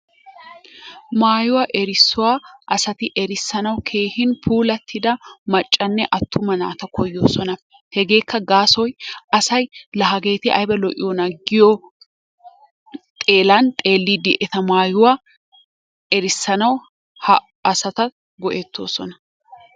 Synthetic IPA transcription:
maːjʊwɐʔɛɾɪsːʊwaːʔɐsɐt̪ɪʔɛɾɪsːɐnɐwkʰe̞ːhɪnpʰuːlɐt̪ʰːɪd̪ɐmɐt͡ʃʼːɐnːɛʔɐt̪ːʊmɐna̰ːt̪ɐkʰɔjːo̞ːsɔnɐ | hɛɡe̞ːkːɐɡaːsɔjɐsɐjlɐɦɐɡe̞ːt̪ɪʔɐ̰jbɛlɔʔɪ̰jonɐɡɪjo | t̪ʼe̞ːlɐnt̪ʼe̞ːlːid̪ɪʔɛt̪ɐmaːjʊwa | ɛɾɪsːɐnɐw | hɐ | ɐsɐt̪ɐ | ɡɔʔet̪ːo̞̰ːsɔnɐ

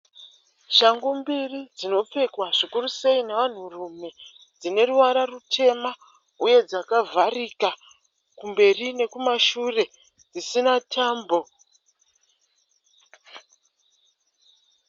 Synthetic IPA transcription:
ʃaŋɡumbirid͡zino̞p͡fe̞kwaʐikuruse̞ineʋan̤urume̞ | d͡zine̞ruwaɾarutʰe̞ma | uje̞d͡zakavʱarika | kumbe̞rine̞kumaʃure̞ | d͡zisinatʰaːmbo̞

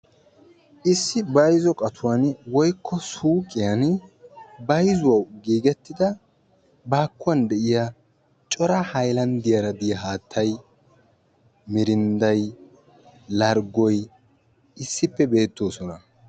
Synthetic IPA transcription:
ʔɪsːɪbɐjzɔkʼɐt̪ʰʊwanwɔjkʰːɔsuːkʼɪjɐn | bɐjzʊwɐwɡiːɡɛt̪ːɪd̪ɐ | baːkːʊwɐnd̪ɛʔɪja | t͡ʃʼɔɾɐhɐjlɐnd̪ɪjɐɾɐd̪ɪjɐɦaːt̪ʰːɐj | mɪɾɪnd̪ɐj | lɐɾɡɔj | ɪsːɪpːɛbe̞ːt̪ːo̞ːsɔnɐ

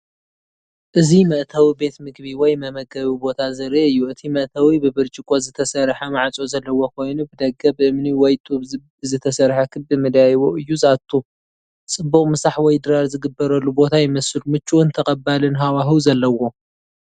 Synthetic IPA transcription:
ʔɨzimɐʔt̪ʰawibe̞t̪mɨɡbiwɔjmɐmɐɡɐβibo̞t̪ʰazɐɾeɨjːuɨt̪ʰimɐʔt̪ʰawibɨbɨɾt͡ʃʼɪkʼozɨt̪ʰɐsɐɾħamaʕat͡sʼo̞zɐlːɐwo̞kʰo̞jnubɨd̪ɐɡɐbɨʔɨmniwɔjt̪ʼubbɨzɨt̪ʰɐsɐɾħakʰɨbɨmɨd̪jajoʔɨjːuzat̪ʰːu | t͡sʼɨbːuχʼmɨsaħwɔjd̪ɨɾalzɨɡɨbːɐɾɐlːubo̞t̪ʰajɪmɐsɨlmɨt͡ʃʼːuwɔnt̪ʰɐkʼɐbalɨnɦawaɦɨwzɐlːɐwo̞

